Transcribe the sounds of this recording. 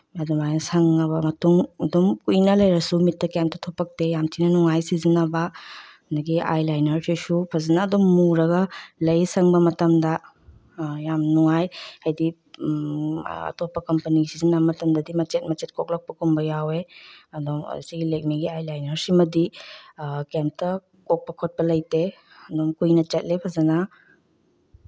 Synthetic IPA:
ɐdomajnɐsɐŋːɐbɐmɐtuŋɐdomkujnɐlɐjɾɐsumitʰːɐkjamtɐtʰopɐk̚tejamtʰinɐnuŋajsizinɐbɐɐndɐɡiʔa̰jlajnɐɾsisupʰɐzɐnaːdomːuɾɐɡɐlɐjsɐŋbɐmɐtɐmdɐ | jamnuŋajhajdi | ɐ̰topːɐkɐmpɐniɡisizinabɐmɐtɐmdɐdimɐt͡ʃet̚mɐt͡ʃet̚kʰok̚lɐk̚pɐkumbɐjaweɐdom̰siɡilek̚miɡiajlajnɐɾsimɐdi | kamtɐ | kok̚pɐkʰot̚pɐlɐjte | ɐdomkujnɐt͡ʃɐt̚lepʰɐzɐnɐ

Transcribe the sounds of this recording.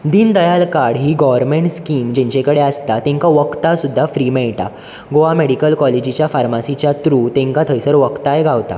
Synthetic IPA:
d̪iːnd̪əjalkaɽɦiːɡɔʋəɾmeɳʈskiːmd͡ʑẽɲt͡ɕẽkəɽeast̪at̪ẽŋkaʋəkt̪asud̪ʱːafɾiːmeɭʈa̰ | ɡoʋameɽikəlkɔled͡ʑit͡ɕjafaɾmasit͡ɕjat̪ɾuːt̪ẽŋkat̪ʰəjsəɾʋəkt̪ajeɡʱaʋt̪a̰

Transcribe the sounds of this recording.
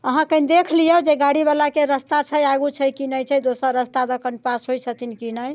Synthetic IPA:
əɦãkənd̪ekʰlijəd͡ʒeɡaɽiβalakeɾəst̪at͡ʃʰəjaɡut͡ʃʰəjkinəjt͡ʃʰəjd̪osəɾəst̪ad̪əkənpasɦojt͡ʃʰət̪inkinəj

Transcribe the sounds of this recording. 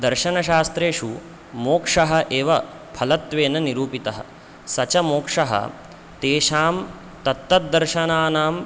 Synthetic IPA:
d̪ɐɾʃɐnɐʃaːst̪ɾeːʂu | moːkʂɐɦɐʔeːʋɐ | pʰɐlɐt̪ʋeːnɐniɾuːpit̪ɐɦɐ̰ | sɐt͡ʃɐmoːkʂɐɦɐ̰ | t̪eːʃaːm | t̪ɐt̪ːɐt̪̚d̪ɐɾʃɐnaːnaːm

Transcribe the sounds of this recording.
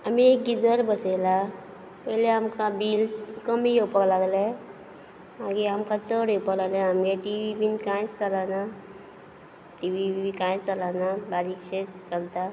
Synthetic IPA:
amiek̚ɡid͡zəɾbəsela | pəɦileamkabiːlkəmiopəklaɡle | maɡiamkat͡səɾepəklaɡleamɡeʈiʋibinkãjt͡salana | ʈiʋibiikãjt͡salanabaɾikɕet͡səlt̪a

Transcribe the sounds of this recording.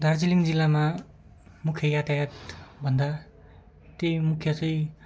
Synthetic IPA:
d̪ʱaɾd͡ziliŋd͡zilːama | mukʰːjʌjat̪ajat̪bʱʌnd̪a | t̪ejmukʰjʌt͡sʌ̃j̃

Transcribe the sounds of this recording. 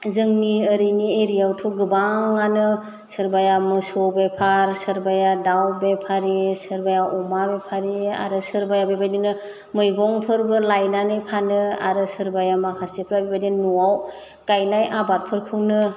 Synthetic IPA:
zɯŋniəɾinieɾijawtʰuɡɯbaŋːanɯ | sɯɾbajamɯsobepʰaɾsɯɾbajadawbepʰaɾisɯɾbajaʔɔmabepʰaɾia̰ɾɯsɯɾbajabebajdinɯ | mɯjɡɔŋpʰɯɾbɯlajnanɯjpʰanɯa̰ɾɯsɯɾbajamakʰasipʰɾabibajdinuaw | kajnajʔabat̚pʰɯɾkʰɯŋnɯ

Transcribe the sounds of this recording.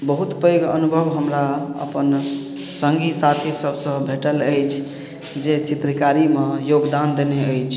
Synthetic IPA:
bəɦut̪pəjɡə̰nubʱəbɦəmɾaə̰pən | səŋɡʱisat̪ʰisəbʱsə̃bʱeʈələjt͡ʃʰ | d͡ʒet͡ʃit̪ɾəkaɾimejoɡd̪and̪eneəjt͡ʃʰ

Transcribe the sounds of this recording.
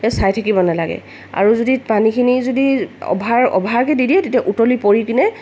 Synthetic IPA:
ɛsajtʰakibɔnalaɡɛ̰ | a̰ɹuzodipanikʰinizodiɔ̰bʱaɹɔ̰bʱaɹkɛdidiɛtetiaʔutolipoɹikinɛ

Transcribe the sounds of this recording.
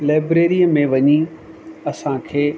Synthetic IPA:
laːbɾeːɾiəmẽʋɐɲi | ɐsãkʰeː

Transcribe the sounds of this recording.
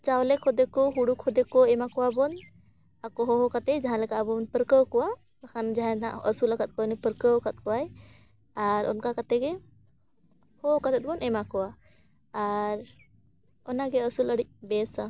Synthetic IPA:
t͡ʃawlekʰɔd̪ekɔɦuɽukʰɔd̪ekoemakɔwabɔn | akɔɦoɦokat̪ed͡ʒaɦãlekabɔnpəɾkəwkɔwa | əkʰand͡ʒaɦããəsuləkət̪̚kɔnipəɾkəwkət̪̚kɔaj | aɾɔ̰nkakət̪eɡe | hokat̪ɛt̪̚bɔnemakɔaː | ɾ | ɔnaɡeəsuləɽik̚besa

